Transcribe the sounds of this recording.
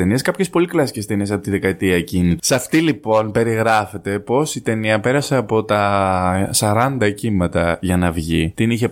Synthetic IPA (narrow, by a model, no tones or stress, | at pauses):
enieskɐpçe̞spo̞liklɐsi̥cest̪e̞niesɐpot̪iðe̞kɐet̪iɐecinit̪sɐft̪ilipo̞npe̞ɾiɣɾɐfe̞t̪e̞po̞sit̪e̞niɐpe̞ɾɐse̞ɐpo̞t̪ɐ | sɐɾɐnd̪ɐcimɐt̪ɐʝɐnɐvʝit̪iniçe̞